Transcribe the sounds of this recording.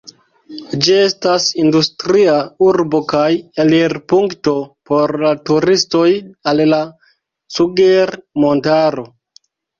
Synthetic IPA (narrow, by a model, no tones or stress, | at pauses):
d͡ʒie̞stasindustɾiauɾbo̞kajeliɾpuŋkto̞po̞ɾlatuɾisto̞jalla | suɡeɾmo̞ntaɾo̞